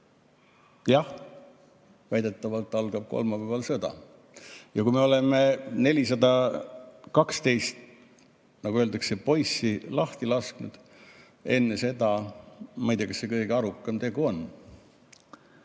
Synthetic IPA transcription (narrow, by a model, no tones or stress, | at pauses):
jɑh | væjd̪e̞t̪ːˑɑvɑlt̪ːˑɑlɡ̥ɑb̥̚ko̞̰lmɑpævɑlsɤd̪̥ɑ̰ | jɑkuime̞o̞lemene̞lʲisɑd̪ɑ | kɑkst̪e̞jst̪ | nɑɡuøːld̪ɑkse̞po̞jsːilɑht̪ilɑsknud̪̥ | e̞nːese̞d̪ɑmɑjd̪ekɑsːse̞kɤjɡ̥eɑɾukːˑɑmt̪e̞ɡ̥uo̞nː